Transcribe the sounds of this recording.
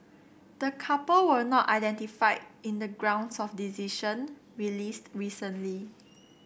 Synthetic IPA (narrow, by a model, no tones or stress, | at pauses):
d̥əkʰapəlwənɔta̰jdɛ̃ntifaɪĩndəɡɹãw̃nsɔfdiziʃə̃nɹilistɹisə̃nli